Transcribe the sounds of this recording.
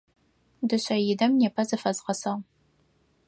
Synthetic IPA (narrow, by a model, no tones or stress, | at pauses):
dɨɕɐjɪdɐmneːpʰɐzɐfɐzʁɐsɐʁ